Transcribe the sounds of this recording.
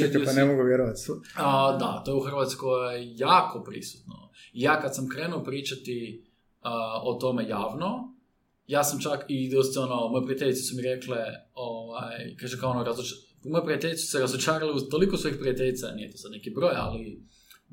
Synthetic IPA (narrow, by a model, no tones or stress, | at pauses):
ek̪panemoɡuʋjeɾoʋat̪sd̪a̰t̪ojeuxr̩ʋat̪skkojjejaːkʰopɾḭsu̥t̪no̰ijaːkad̪samkɾeːnuopɾiːt͡ʃat̪i | əot̪o̞mejaːʋno | jaːsamt͡ʃakid̪ost̪onomojepɾiat̪eʎʲit̪e̥sumiɾekleoʋajjkaʒekaoonoɾazot͡ʃ | pmojepɾiat̪eʎʲit̪esu̥seɾazot͡ʃaːɾaleut̪olikosojixpɾiat̪eʎit̪sanijet̪osad̪nekibɾo̞ːja̰li